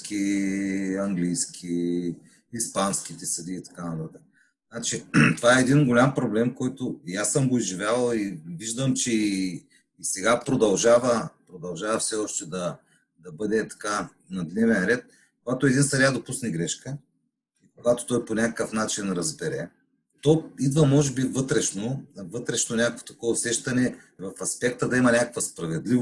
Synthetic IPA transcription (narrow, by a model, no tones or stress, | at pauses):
kʲi | ɐŋɡlijskʰʲi | ispansk̟it̪ɛsɐd̪iːt̪ɐ̥kanɐt̪at̪ək | znat͡ʃit̪ovaɛːɛd̪inɡolʲampɾoblɛmkɔjt̪oiasəmɡoizʒivʲjalˠɐiviʒd̪əmt͡ʃɛi | isɛɡapɾod̪ɐlˠʒavəpɾod̪ɐlˠʒavɐfsɛɔʃt̪ɛd̪ɐ | d̪ɐbɤd̪ɛt̪ɐ̥ka | nɐd̪nɛvɛɾɛt̪̚ | koɡat̪oɛd̪insɐɾad̪opusnɛɡɾɛʃkə | ikoɡat̪o̥t̪ɔjponʲakəkəfnat͡ʃinɾɐzbɛɾɛ | t̪ɔid̪vəmɔʒɛbivɤt̪ɾɛʃnovɤt̪ɾɛʃnonʲakəkvo̥t̪ɐ̥kɔːsɛʃt̪ɐnɛvɐfɐspɛk̚t̪əd̪ɐimɐnʲakəkvɐspɾɐvɛd̪li